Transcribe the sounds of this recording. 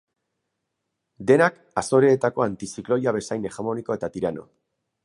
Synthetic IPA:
d̪e̞nak | aso̞ɾe̞ːt̪ako̞ant̪isiklo̞jaβe̞sajne̞xamoniko̞e̞t̪at̪iɾano̞̰

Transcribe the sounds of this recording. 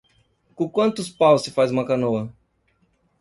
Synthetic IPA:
kõkwɐ̃nt̪ʊspawssɪfajzũmɐkanoɐ

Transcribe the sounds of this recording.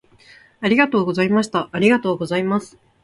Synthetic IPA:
aɾʲiɡat̪o̞ːɡo̞zaimaɕ̬i̥t̪aʔaɾʲiɡat̪o̞ːɡo̞zaimasɨ̥

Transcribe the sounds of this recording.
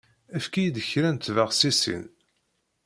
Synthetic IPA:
æfkijd̪əçɾænt̪vəʁsisḭn

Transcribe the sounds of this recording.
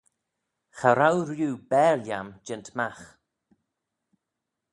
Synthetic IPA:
xaɾawɾjuːbɛːljamd͡ʒɪntʰmax

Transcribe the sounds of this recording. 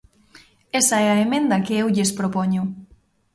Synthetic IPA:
ɛsɐɛɐemẽnd̪ɐkeewʎespɾopɔɲʊ

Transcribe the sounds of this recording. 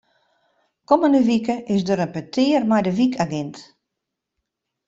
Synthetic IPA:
kɔməndəʋikəʔɪsdəɾənpətʰɪːrmɛjdəʋikʰaɡɛnt

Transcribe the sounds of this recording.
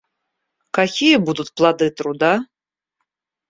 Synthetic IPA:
kakʲijɛbud̪ut̪plˠad̪ɨt̪rud̪a

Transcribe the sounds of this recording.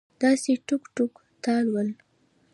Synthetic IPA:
d̪̥ɑseʈukʈuk | t̪ɑlwəl

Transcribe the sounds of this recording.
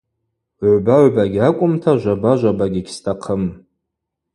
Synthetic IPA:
ʕʷbaʕʷbaɡʲakʷʼʊmtʰaʒʷabaʒʷabaɡʲiɡʲstʰʼaqʰəm

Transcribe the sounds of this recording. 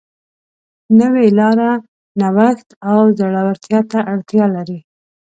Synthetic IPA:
nəwelɑɾa | nawaxt̪awzaɽawaɾt̪jɑt̪aʔaɽt̪jɑlaɾi

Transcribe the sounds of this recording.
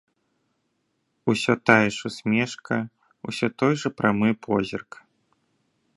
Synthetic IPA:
usʲɔt̪ajɛʂusʲmʲɛʂkɐ | usʲɔt̪ɔjʐɐpɾamɨpʰɔzʲirk

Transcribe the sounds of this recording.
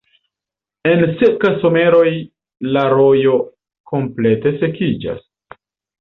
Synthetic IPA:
e̞nsekaso̞me̞ɾo̞j | laɾo̞jo̞ | ko̞mple̞te̞se̞kid͡ʒa̰s

